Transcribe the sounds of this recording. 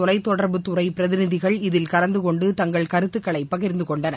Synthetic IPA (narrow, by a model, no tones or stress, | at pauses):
ɔlɐɪt̪ːɔɽɐɾbɯt̪ʊɾɐɪpɪɾɐðɪnɪðɪɣɐɭɪðɪlkɐɾɐnd̪ɯkɔɳɖɯt̪ɐŋɡɐɭkɐɾɯt̪ːɯkːɐɭɐɪpːɐɣɪɾnd̪ɯkɔɳɖɐnɐ̰